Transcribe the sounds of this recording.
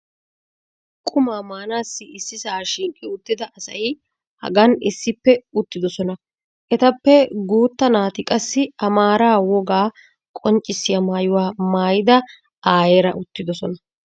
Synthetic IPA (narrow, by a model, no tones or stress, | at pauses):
kʼʊmaːmaːnaːsːɪɪsːɪsaːʃɪŋkʼːɪʊt̪ːɪd̪ɐʔɐsɐ̰jɪ | hɐ̰ɡɐnɪsːɪpːɛʊt̪ːɪd̪ɔsɔnɐ | ʔɛt̪ɐpːɛɡuːt̪ːɐnaːt̪ɪkʼɐsːɪɐmaːɾaːwɔɡaː | kʼɔnt͡ʃʼːɪsːɪjɐmaːjʊwaːmaːjɪd̪ɐ | aːjeːɾɐʔʊt̪ːɪd̪ɔsɔnɐ